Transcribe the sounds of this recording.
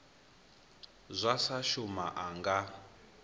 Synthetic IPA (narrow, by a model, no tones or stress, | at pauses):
zʷasaʃuma̰ʔaŋɡa